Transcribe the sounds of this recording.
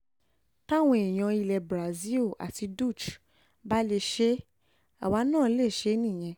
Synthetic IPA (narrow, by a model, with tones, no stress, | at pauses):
ta˦w̃ɔ̃˧e˨j̃ã˧i˧lɛ˧bɾa˨zi˦˨a̰˨ti˧du˦˨t͡ʃ | ba˦le˧ʃe˦ | a˨wa˨˧˦nãː˦˨˦le˦˨ʃe˨˦nĩ˦˨j̃ɛ̃˧